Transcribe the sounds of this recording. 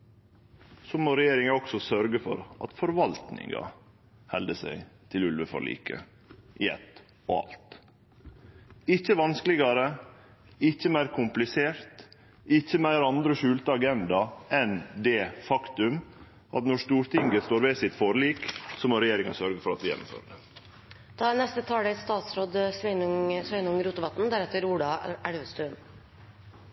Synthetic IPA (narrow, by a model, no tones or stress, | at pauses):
somoɾɛjeːɾɪŋɑɔksɔsœɾɡəfɔ̰ɾʔɑ̰t̪fɔɾʋɑlt̪nɪ̰ŋɑ̰ | hɛld̪əsæ̰ɪt̪ʰɪlʉlʋəfɔ̰ɭḭːkʰə̰ | ʔɪɛ̰t̪ː | ɔɑ̰lt̪ | ɪçəʋɑnskəlɪɡɑɾə | ɪçːəmæɪɾkʰʊmplɪseːɾt̪ | ɪçːəmæɪɾɑnd̪ɾəʃʉːlt̪əɑɡɛnd̪ɑɛnd̪ɛːfɑkt̪ʉm | ɑt̪nɔʂt̪uːɾt̪ʰɪŋɡəst̪oːɾʋæɪsɪt̪fɔɾliːksɔmɔɾɛjeːɾɪŋɑsœɾɡəfɔɾɑt̪ʋ̪ɪjɛ̰nːʊ̰mfø̰ːɾəd̪ə | d̪̥ɑːænɛst̪ət̪ʰɑːɽɛst̪ɑːt̪sɾoːd̪sʋɛnŋsʋœɪnʊŋɾuːt̪əʋɑt̪n̩d̪æɾɛt̪ːəɾuːɖɑæɽʋəst̪ʉːən